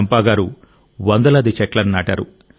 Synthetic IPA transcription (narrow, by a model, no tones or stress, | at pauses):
mpaːɡaːɾu | ʋɐnd̪ɐlɐd̪it͡ʃɛʈlɐnnaːʈaːɾu